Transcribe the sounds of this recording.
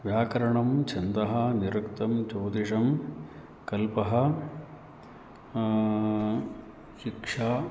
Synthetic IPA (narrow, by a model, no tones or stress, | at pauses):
ʋjaːkɐɾɐɳɐmt͡ʃʰɐnd̪ɐɦɐniɾɐkt̪ɐmt͡ʃoːd̪iʂɐm | kɐlpɐɦɐ̆ | ʃikʂaː